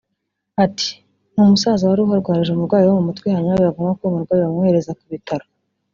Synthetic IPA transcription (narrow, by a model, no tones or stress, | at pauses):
ati̥ | n̥uːmusazawaɾuɦaɾɡwaːɾiʒeumuɾɡwaːjiwamumutkwehaɲawejavumɡakomuɾɡwaːjiwamheɾe̞zakuβitaɾo